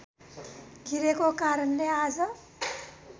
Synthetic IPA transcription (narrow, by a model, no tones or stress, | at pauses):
ɡʱiɾekokaɾʌnlead͡zʌ